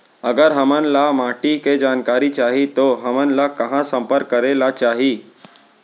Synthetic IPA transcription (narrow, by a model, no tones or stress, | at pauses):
əɡəɾɦəmənlamaːʈiked͡ʒaːnkaːɾit͡ʃaːɦit̪oɦəmənlakəɦãsə̃mpəɾkːəɾelat͡ʃaːɦi